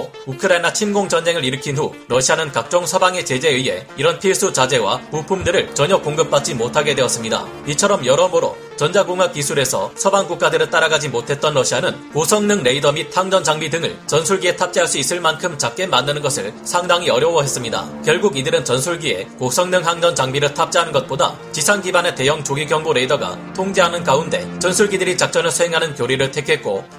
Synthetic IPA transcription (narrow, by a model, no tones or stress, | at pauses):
o | ukʰɯɾainat͡ɕʰinɡoŋd͡ʑʌnd͡ʑe̞ŋɯɾiɾɯkʰinɦu | ɾʌɕʰianɯnkak̚t͡ɕ͈ʌŋsʰʌbaŋe̞t͡ɕe̞d͡ʑe̞ɯjɦe̞̰iɾʌnpʰiɭs͈ut͡ɕad͡ʑe̞wa̰mupʰumdɯɾɯɭt͡ɕʌɲʌkoŋɡɯp͈at̚t͡ɕ͈imotʰaɡe̞dwe̞ʌs͈ɯmɲida̰ | it͡ɕʰʌɾʌmjʌɾʌmoɾo̰ | t͡ɕʌnd͡ʑaɡoŋwak͈isʰuɾe̞sʰʌsʰʌbaŋkuk̚k͈adɯɾɯt͈aɾaɡad͡ʑimotʰe̞t̚t͈ʌnɾʌɕʰianɯn | kosʰʌŋnɯŋɾeidʌmitʰaŋd͡ʑʌnd͡ʑaŋbidɯŋɯ̰ɭt͡ɕʌnsʰuɭɡie̞tʰap̚t͡ɕ͈iɦaɭs͈uis͈ɯɭmankʰɯmt͡ɕak͈̚e̞manːɯnɯnɡʌsʰɯɭsʰaŋdaŋiʌɾjʌwʌɦe̞s͈ɯmɲida̰kjʌɭɡuɡidɯɾɯnt͡ɕʌnsʰuɭɡie̞kosʰʌŋnɯŋɦaŋd͡ʑʌnt͡ɕaŋbiɾɯɭtʰap̚t͡ɕ͈iɦanɯnɡʌt̚p͈oda̰ | t͡ɕisʰanɡibane̞te̞jʌŋt͡ɕoɡiɡjʌŋboɾe̞idʌɡa̰tʰoŋd͡ʑeɦanɯnkaunde̞̰t͡ɕʌnsʰuɭɡidɯɾit͡ɕak̚t͡ɕ͈ʌnɯɭsʰuɦe̞ŋɦanɯnkjoɾiɾɯɭtʰe̞kʰe̞k̚k͈o